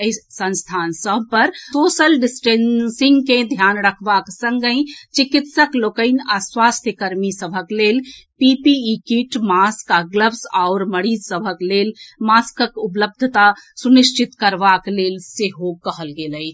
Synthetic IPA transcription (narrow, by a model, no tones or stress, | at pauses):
əisə̃nst̪ʰansəbʱpəɾsosəlɖisʈensĩŋɡkẽd̪ʱjanɾəkʰbaksə̃ŋɡə̃ɪ̃t͡ʃikit̪səklokəɪnaswast̪ʰjəkəɾmisəbʱəklelpipiikiʈmaskaɡləbsaʊɾməɾiːd͡ʒsəbʱəklelmaskəkupləb̚d̪ʱt̪asuniʃt͡ʃit̪kəɾbaklelseɦokːəɦəlɡeləj